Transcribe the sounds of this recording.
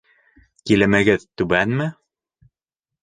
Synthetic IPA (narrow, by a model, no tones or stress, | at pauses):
kilæmæɡɘðt̪ʉɡænmɘ